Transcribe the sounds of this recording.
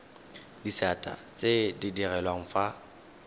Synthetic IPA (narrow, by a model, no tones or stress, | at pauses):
disatʼa̰t͡sʼedɪdirɛlwaŋ̩fa